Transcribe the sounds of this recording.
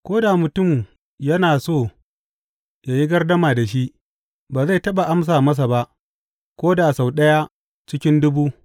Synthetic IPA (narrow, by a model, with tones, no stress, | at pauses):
kʷoː˦da˨mʊ˨tʊ˦˨m | jɐ˦naː˨soː˦˨ | ja˨ji˦ɡɐ˦rdɐ˦maː˨da˨ʃ̬i˦ʔ | baː˨za˦˨jtɐ˦ɓa˨ʔa˦ms̬aː˨mɐ˦s̬a˨ba˦ʔ | kʷoː˦da˨sa˨wɗɐ˦ja˦ | t͡ʃɪ˦kʲɪ˦ndʊ˦buː˦